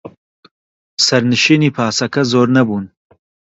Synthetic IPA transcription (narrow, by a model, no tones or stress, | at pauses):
sɐɾnɨʃiːniːpʰaːsɐkɐzoːɾnɐbuːn